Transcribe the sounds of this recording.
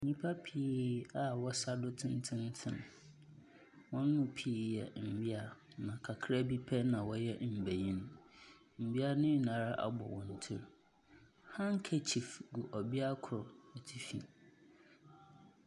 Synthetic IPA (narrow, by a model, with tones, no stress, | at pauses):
ɲĩ˦pʰa˦pʰiː˦a˨wɔ˦sa˦dʊ˦tʰɪ̃˦n˦tʰɪ̃˦n˦tʰɪ̃˦˨n | wɔ̃˦nː˦ʊ̃˦pʰiː˦jɛ̰˨m̩˨bi˦a˨ | nã˨kʰa˨kʰɾɛ˦bi˦pʰɛ˦nã˨wɔ˦jɛ˦m̩˨be˨jĩ˦n | m̩˨bi˦a˦nʊ̃˦˨nã˨ɾa˦ʔa̰˨bɔ̰˨wɔ̰̃˨n̩˨tʰɪ˦ɾ | hã˦ŋ̩˦kʰɛ˦t͡ɕʰi˨fɡu˨ʔɔ˨bi˦a˦kʰʊ˨ɾɛ˨tʰi˨fḭ˨